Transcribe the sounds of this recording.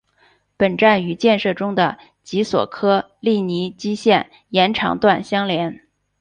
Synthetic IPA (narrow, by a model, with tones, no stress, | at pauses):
pə˨˩nʈ͡ʂa˥˩ny˧˥t͡ɕjɛ˥˧nʂɤ˥˩ʈ͡ʂʊ˥ŋd̪ə˨ | t͡ɕi˧˥swɔ̰˨˩kʰɤ˥ | li˥˩ni˧˥t͡ɕi˥ɕjɛ˥˩n | jɛ˧˥nʈ͡ʂʰɑ̰˧˥ŋt̪wa˥˩nɕjɑ˥ŋljɛ˧˥n